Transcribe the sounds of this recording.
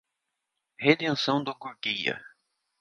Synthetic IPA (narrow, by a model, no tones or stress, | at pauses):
hed̪ẽsɐ̃w̃d̪ʊkuɾkijɐ̰